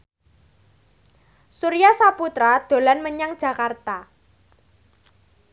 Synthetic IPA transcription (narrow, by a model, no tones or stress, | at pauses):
suɾijasaput̪ɾad̪̥o̤lanməɲaŋd̥ʒ̥ä̤kart̪a